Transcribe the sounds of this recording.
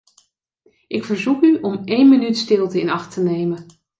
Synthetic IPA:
ʔɪkfəɹzukyʔɔmejnmənytstɪlˠtəɪnɑχtənejmən

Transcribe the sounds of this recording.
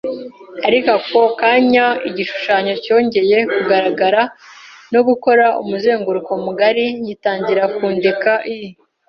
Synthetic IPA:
aɾikako̞kaːɲaiɟiʃu̥ʃaːɲo̞co̞ːɲɟe̞je̞kuɡaɾaɡaɾano̞ɡuko̞ɾaṵmuze̞ːŋɡuɾuko̞muɡaɾijitaːɲɟiɾakuːndekaʔiji

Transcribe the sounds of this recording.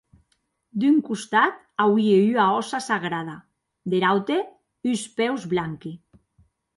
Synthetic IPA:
d̪yŋkust̪at̪ | awieyaɔsasaɣɾað̞a | d̪eɾawt̪e | yspɛwzβlaŋki

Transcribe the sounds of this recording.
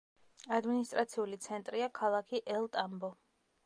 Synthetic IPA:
ad̪minist̪ʼɾat̪sʰiulit̪sʰɛnt̪ʼɾiakʰalˠakʰiʔɛlˠt̪ʼambɔ

